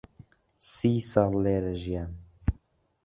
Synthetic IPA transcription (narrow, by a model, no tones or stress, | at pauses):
siːsɑːlːeːɾɛʒijaːn